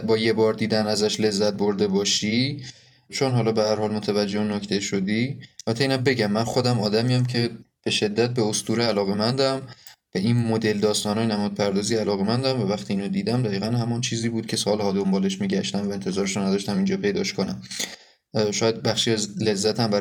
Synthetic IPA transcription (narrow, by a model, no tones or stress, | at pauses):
bɒːje̞bɒːɾd̪iːd̪ænæzæʃle̞zːæt̪̚boɾd̪e̞bɒːʃi | t͡ʃʰonɦɒːlɒːbehæɾhɒːlmot̪ʰævæd͡ʒːenocʰt̪ʰe̞ʃod̪iɒlːbæt̪ʰeiːnæmbe̞ɟæmːænxod̪æmɒːd̪æmijæmcʰe̞b̥e̞ʃe̞d̪ːæt̪̚be̞ost̪uːɾeːlɒːɣe̞mænd̪æmvæʔinmod̪e̞ld̪ɒːst̪ɒːnɒːjenæmɒːd̪̚pʰæɾd̪ɒːziælɒːɣemænd̪æmvævæxt̪ʰiːiːnod̪iːd̪æmd̪æiːɣænɦæmɒnt͡ʃʰiːziːbuːd̪̥̚cʰe̞sɒːlhɒːd̪o̞mbɒːle̞ʃmiːɟæʃt̪æmvæe̞nt̪ʰe̞zɒːɾeʃunæd̪ɒːʃt̪æmind͡ʒɒːpʰe̞jd̪ɒ̰ʃkonæm | ʃɒːjæd̪̚bæxʃiæzle̞zːæt̪ʰæmbæɾ